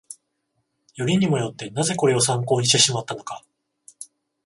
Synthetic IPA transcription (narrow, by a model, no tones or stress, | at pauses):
jo̞ɾʲiɲ̟imo̞jo̞t̪ːe̞naze̞ko̞ɾe̞o̞s̬ãŋko̞ːɲ̟iɕt̪eɕimat̪ːano̞ka